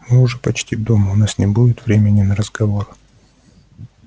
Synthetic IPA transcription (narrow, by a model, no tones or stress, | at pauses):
mɨʊʐɛpɐt͡ɕtʲivd̪oməʊnasnʲɪbuɪt̪vɾʲemʲɪnʲɪnəɾəzɡɐvo̞r